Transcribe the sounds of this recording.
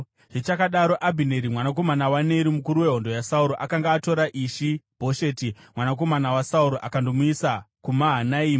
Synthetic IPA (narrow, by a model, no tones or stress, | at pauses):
ʐit͡ʃakaɗaɾo̞ʔabʱine̞ɾimwanak̬o̞manawane̞ɾimukuɾuwe̞ɦondo̞jasauɾoʔakaŋɡaːto̞ɾaʔiːʃibʱo̞ʃe̞timwanak̬o̞manawasauɾoʔakandomuisakumaɦanaiːma